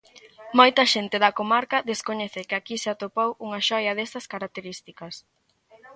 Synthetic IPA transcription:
mojt̪ɐʃent̪ɪðɐkomaɾkɐðeskoɲɛθɪkɪakisɪat̪opowuŋɐʃɔjɐðɛst̪ɐskaɾak̚t̪eɾist̪ikɐs

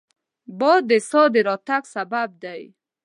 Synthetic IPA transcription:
bɔd̪ːesɔd̪eɾɑt̪aɡsabab̚d̪aj

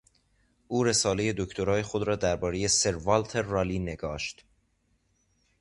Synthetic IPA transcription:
ʔuːɾe̞sɒːle̞je̞d̪o̞ct̪ʰoɾɒːje̞xod̪ɾɒːd̪æɾbɒːɾe̞je̞se̞ɾvɒːlt̪ʰeɾːɒːliːne̞ɡɒːʃt̪

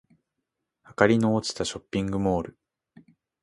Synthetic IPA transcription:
hakaɾʲinoːt͡ɕi̥t̪aɕo̞pʲːĩŋɡɯ̟moːɾɯ̟

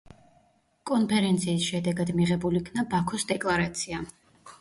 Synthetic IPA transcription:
kʼɔnpʰɛɾɛnt̪sʰiːsʃɛd̪ɛɡad̪miʁɛbulikʰnabakʰɔsd̪ɛkʼlˠaɾat̪sʰia

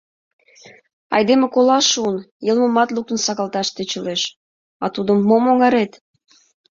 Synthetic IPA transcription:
ɑ̰jd̪emekolɑʃunjəlmə̆mɑt̪luk̚t̪ə̆nsɑɣɑlt̪ɑʃt̪et͡ɕə̆leʃ | ɑt̪ud̪əmːomoŋɑɾet̪

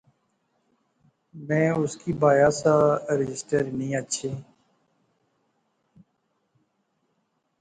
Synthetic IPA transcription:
mɛ̃ːʊskiːbaːjaːsaːɾɪd͡ʒɪsʈəɾnəĩːətːʃʰeː

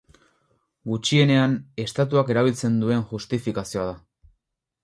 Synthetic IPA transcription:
ɡut͡ʃie̞ne̞ane̞st̪at̪̬uake̞ɾaβ̞ilt͡se̞nd̪ue̞ŋʝust̪ifikasio̞aða

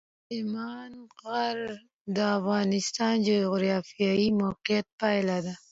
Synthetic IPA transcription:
ɪmɑnɣaɾ | d̪əafɣɑnɪst̪ɑnd͡ʒoɣʊɾjɑfijɑimaqijat̪̚pajlad̪a

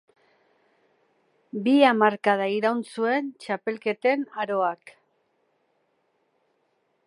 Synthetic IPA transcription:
biamaɾkað̞aiɾawnsue̞nt͡ʃape̞lke̞t̪e̞naɾo̞ak

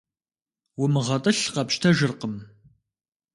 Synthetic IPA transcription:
wʊmɨʁɐtʼɨɬqɐpʃtʰɐʒɨrqəm

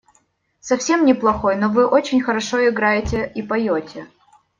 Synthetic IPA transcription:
sɐfsʲe̞mnʲɪplˠɐxo̞jnovɨʔot͡ɕɪnʲxəɾɐʂo̞ɪɡɾajɪtʲɪipɐjotʲɪ

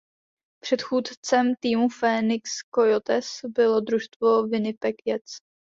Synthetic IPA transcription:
pr̝̥ɛt̪xuːt̪t͡sɛmt̪iːmufɛːnɪkskojot̪ɛsbɪlod̪ɾuʃt̪vo̞vɪnɪpɛkjɛt͡s

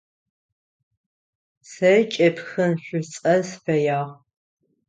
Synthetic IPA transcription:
sɐt͡ʃʼɐpxɨnɕʷʊt͡sʼɐsfɐjaːʁ

